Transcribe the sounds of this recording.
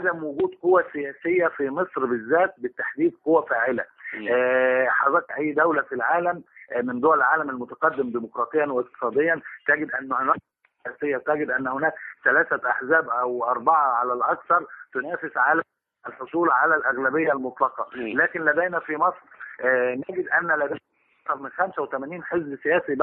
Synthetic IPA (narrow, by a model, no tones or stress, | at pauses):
ʕad̪æmwʊɡuːd̪qowæsejæːsɪjːæfimesˤɾbezːæːt̪̚bɪt̪ːaħd̪iːd̪̚qowːæfaːʕɪlæː | ħɑzˤɑːkʔæjːd̪æwlæfilʕaːlæmmɪnd̪owælelʕaːlæmælmʊt̪æqɑd̪ːɪmd̪iːmoqɾˤɑːt̪ˤejːɑnwæɪq̚t̪ɨ̥sˤɑːd̪ejːɑnt̪æɡɪd̪ʔænːhonæːk̚ | sjæːsejːæt̪æɡɪd̪ʔænːhonæːkθælæːθæʔaħzæːbʔæwʔɑɾˤbɑʕɑʕalælʔɑkθɑɾˤt̪onæːfesʕalæ | ʔælħosˤuːlʕalælʔæɣlæbejːælmot̪ˤlɑqɑlæːkɪnlæd̪æjnæfimɑsˤɾnæɡɪd̪ʔænːælæd̪æjnæ | ɑk̚t̪ɑɾˤmɪnxæmsæwet̪æmæniːnħezbsejæːsib